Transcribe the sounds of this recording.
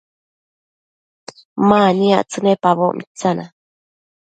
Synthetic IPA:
maːnia̰ʔt͡sɨnepaβo̰ʔmʔit͡sana

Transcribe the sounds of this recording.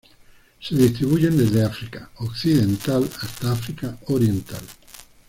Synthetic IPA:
seðist̪ɾiβuʝend̪ezðeafɾikaokθiðent̪alast̪aafɾikaoɾjent̪al

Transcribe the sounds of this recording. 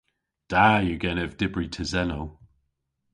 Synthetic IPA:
d̥ajəɡɛnɛvd̥ɪbɹitʰəzɛnow

